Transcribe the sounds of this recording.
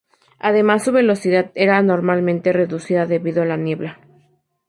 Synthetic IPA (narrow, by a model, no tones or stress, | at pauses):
aðe̞masːuβe̞lo̞siðaðe̞ɾano̞ɾmalmẽnt̪e̞re̞ðusiðaðe̞βiðoalanje̞βla